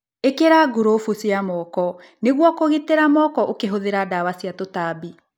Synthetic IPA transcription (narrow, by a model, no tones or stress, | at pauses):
ekeɾaːɡuɾofusjamɔːkɔ | neɣwɔkoɣeteɾamɔkɔʔokeɦoðeɾadawasiatotaːbi